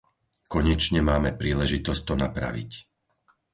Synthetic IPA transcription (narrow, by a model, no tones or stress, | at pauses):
kɔɲɛt͡ʃɲɛmaːmɛpɾiːlɛʒit̪ɔsc̚t̪ɔnapɾa̰ʋḭc